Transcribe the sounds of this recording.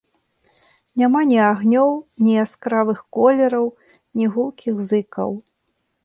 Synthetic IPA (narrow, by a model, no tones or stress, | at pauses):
nʲamanʲiaɣnʲɔwnʲiaskɾavɨxkɔlʲɛɾɐw | nʲiɣulˠkʲiɣzɨkɐ̰w